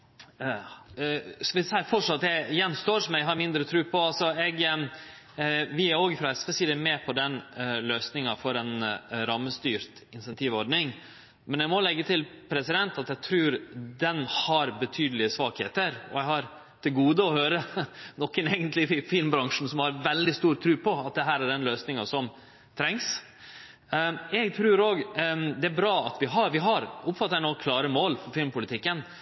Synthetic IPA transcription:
skɑʋɪsɛəfɔʂɑt̪ːæjɛnst̪oːɾsɔmɛɡɦɑɾmɪnd̪ɾət̪ʰɾʉːpʰɔɑlsɔɛɡ | ʋɪæɾoːɡfɾɑɛspɛsɪɛlmɛpʰɔd̪ɛnløːsnɪŋɑfɔɾɛnɾɑmːəst̪yːɾt̪ | ɪnsɛnt̪ʰiːʋɔɖnɪŋ | mɛnɛɪɡmɔlɛɡːət̪ʰɪlpʰɾɛsɪd̪ɛnt̪ɑt̪ɛɡ̚t̪ʰɾʉːɾd̪ɛnhɑɾbət̪ʰyːd̪əlɪəsʋɑːkhḛːt̪əɾɔ̰æɪhɑɾ | t̪ʰɪlɡuːd̪əɔhøːɾənɔkːəneːɡənt̪lɪɪfɪlmbɾɑŋʂn̩sɔmhɑɾʋɛld̪ɪst̪uːɾt̪ʰɾʉːpʰɔɑt̪̚d̪ɛɦæːɾæɖɛnløːsnɪŋɑsɔm | t̪ʰɾɛŋs | ɛɡt̪ʰɾʉːɾoːɡd̪ɛæɾbɾɑːɑt̪ʋɪɦɑʋɪɦɑɾʔʊpfɑt̪ːænɔkʰlɑːɾəmoːlfɔɾfɪlmpʊlɪt̪ʰɪkːən

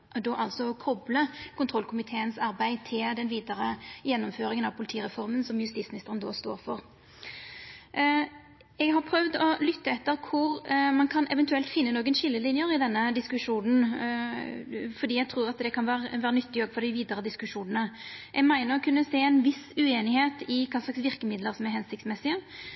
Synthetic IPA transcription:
d̪oːʔɑlsɔɔkʰɔbləkʰʊnt̪ʰʁɔlkʰʊmɪt̪ʰeːənsɑʁbæɪt̪ʰɪld̪ɛnʋiːd̪əɾəjɛnːɔmføːɾɪŋənɑʋpʰʊlɪt̪ʰiːʁɛfɔʁmənsɔmjʉst̪iːsmɪnɪst̪əʁənd̪o̰ːst̪o̰ːɾfɔʁ | ɛɡɦɑʁpʰɾœʋd̪ɔlʏt̪ːəɛt̪ːəɾkʰʊɾmɑnkʰɑnʔɛʋɛnt̪ʉɛlt̪fɪnːənoːɡənʃɪlːəlɪnjəɾɪd̪ɛnːəd̪ɪskʉʂuːnn̩ | fɔd̪iːɛɡ̚t̪ʰʁuːɾɑt̪d̪ɛkʰɑnʋæːɾəʋæːɾənʏt̪ːɪɡɔɡfɔɾd̪ɪʋiːd̪əɾəd̪ɪskʉʂuːnənəʔɛɡmæɪnəɾɔkʰʉnːəseːɛnʋɪsʉeːnɪheːt̪ɪkʰɑːslɑksʋɪʁkəmɪd̪ləʁsɔmɛhɛnsɪkt̪smɛsːɪə

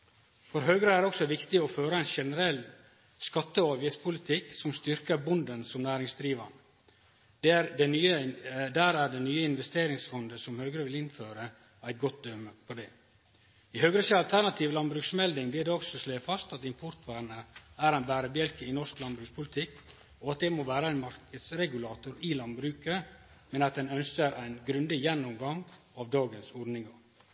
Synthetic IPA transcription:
fɔɾɦøːɡɾəæɾɖɛɔksɔʋɪkt̪ɪɔføːɾəæɪnʃɛnəɾɛlː | skɑt̪ːəɑːʋjɪt̪spʰʊlɪt̪ʰɪksɔmst̪ʏɾkəbʊnd̪ənsɔmnæːɾɪŋsd̪ɾiːʋɑɳə̥ | d̪ɛyəd̪æːɾæɖɛnyːəɪnʋɛst̪eːɾɪŋsfɔnd̪əsɔmhøːɡɾəʋɪlɪnføːɾə | æɪt̪̚ɡɔt̪̚d̪œməpʰɔd̪ɛː | ɪɦøːɡɾəsɑlt̪ʰæɾnɑt̪ʰiːʋlɑnbɾʉːksmɛld̪ɪŋb̪ɪld̪ɛɔksɔsleːfɑst̪ɑt̪ɪmpʰɔɾt̪ʰʋæːɾnəæɾæɪnbæːɾəbjɛlkəɪnɔʂklɑnbɾʉːkspʰʊlɪt̪ʰɪkː | ɔɑt̪̚d̪ɛmoːʋæːɾəæɪnmɑɾkəd̪sɾɛɡʉlɑːt̪ʊɾɪlɑnbɾʉːkə | mɛnɑt̪̚d̪ɛnœnskəɾʔæɪnɡɾʉnd̪ɪjɛnːʊmɡɑŋ | ɑʋd̪ɑːɡənsɔɖnɪŋɑɾ

